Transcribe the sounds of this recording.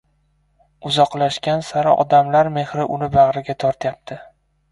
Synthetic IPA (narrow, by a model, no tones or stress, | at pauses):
ʊzɒqlaʃkʲansaɾaʔɒ̰d̪amlaɾme̞hɾɪʔʊnɪbaʁɾɪɡʲat̪ʰɒɾt̪jap̚t̪ʰɪ